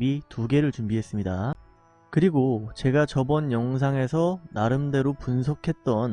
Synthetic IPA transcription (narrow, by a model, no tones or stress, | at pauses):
ituɡe̞ɾɯɭt͡ɕumbiɦe̞s͈ɯmɲida | kɯɾiɡot͡ɕe̞ɡat͡ɕʌbʌnjʌŋs̬ʰaŋe̞sʰʌnaɾɯmde̞ɾopunsʰʌkʰe̞t̚t͈ʌn